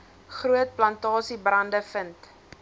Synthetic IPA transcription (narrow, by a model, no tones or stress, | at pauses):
χruət̚plɐntɑːsibrɐndəfənt